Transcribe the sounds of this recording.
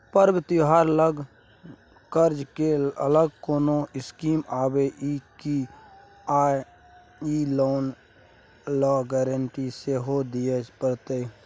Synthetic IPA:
pəɾbɪt̪ɪɦaːɾələɡ | kəɾd͡ʒkeələɡ̚koːnoɪskiːmaːbeʔiki | aːj | iloːn | lɔːɡɛːɾəɳʈiseɦod̪iepəɾt̪e

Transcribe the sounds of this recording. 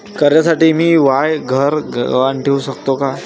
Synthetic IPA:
kəɾjasaʈiːmiːʋajɡʱəɾəʋaɳʈʰeuɕəkt̪oka

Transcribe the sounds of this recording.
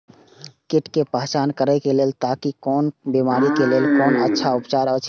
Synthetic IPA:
keʈkepəɦt͡ʃankəɾəɪkelelt̪akikɔnbimaɾikelelkonətːʃʰaupt͡ʃaɾət͡ʃʰ

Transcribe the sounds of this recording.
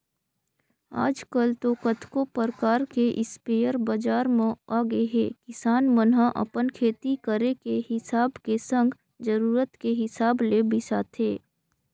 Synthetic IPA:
a̰ːd͡ʒkəlt̪okət̪ʰkopəɾkaːɾkeʔɪspeːjəɾbəd͡ʒaːɾmẽaːɡeɦeːkɪsaːnmənɦaʔə̰pənkʰeːt̪ikəɾekehɪsaːbkesə̃ŋɡ | d͡ʒəɾuːɾət̪keɦɪsaːblebɪsaːt̪ʰeː

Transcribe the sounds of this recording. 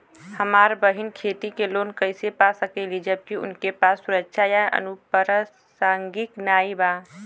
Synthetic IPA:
həmaɾbəɦinkʰet̪ikelonkəɪsepasəkɛlid͡ʒəb̚kiʊ̰nkepasːuɾəkʃʰajaʔə̰nupəɾə | saŋɡiknaiba

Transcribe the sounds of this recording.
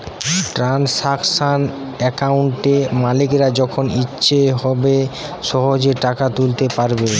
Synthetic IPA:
ʈɾansaksan | ɛkauɳʈemalikɾad͡ʑɔkʰonitːɕʰeɦɔbe | ʃɔɦod͡ʑeʈakat̪ult̪epaɾbe

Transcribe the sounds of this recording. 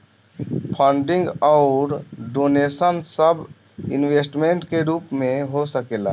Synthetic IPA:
pʰə̃ɳɖɪ̃ŋɡɔʊɾɖoːneːsənsəb | ɪnweːsʈmẽːɳʈkeɾuːpmẽɦosəkeːla̰ː

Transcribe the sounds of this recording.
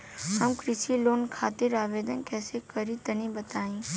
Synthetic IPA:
ɦəmkɾɪʃiloːnkʰaːt̪ɪɾaːʋeːd̪ənkɛːsekəɾĩt̪ənĩbət̪aːĩː

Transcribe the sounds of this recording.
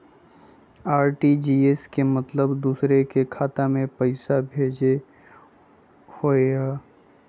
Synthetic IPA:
aːɾʈid͡ʒiːeskemɐt̪ləbd̪uːsɾekekʰaːt̪amẽpəɪsabʱeːd͡ʒe | hoːeaː

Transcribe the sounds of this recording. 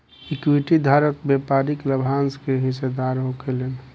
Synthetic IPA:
ekwiʈid̪ʱaːɾət̪bepaːɾikləbʱanskeɦɪsed̪aːɾɦokelen

